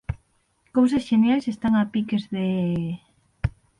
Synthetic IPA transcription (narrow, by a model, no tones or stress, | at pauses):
kowsɐsʃenjajsest̪aŋapikezðe